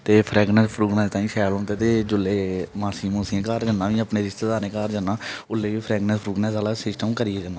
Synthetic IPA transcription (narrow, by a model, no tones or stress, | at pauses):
t̪eːpʰɾɛːɡnəspʰɾuːɡnaːst̪ãːĩːsɛːlõːt̪eːt̪eːd͡ʒʊlːeːmaːsiːmuːsẽːkaːɾd͡ʒənːãːʋĩːəpneːɾɪst̪eːd̪aːɾnẽːkaːɾd͡ʒənːãːʊlːeːʋiːpʰɾɛːɡnɛspʰɾuːɡnɛ̃ːsaːlaːsɪsʈəmkəɾieːd͡ʒənːaː